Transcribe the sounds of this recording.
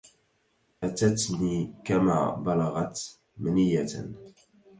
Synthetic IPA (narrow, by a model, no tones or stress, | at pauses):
ʔat̪at̪niːkama̰ːbɑlɑɣɑt̪ | mnijːa